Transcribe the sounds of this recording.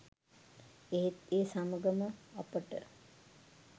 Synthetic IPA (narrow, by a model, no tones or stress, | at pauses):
eɦet̪eːsaməɡəməapəʈə̰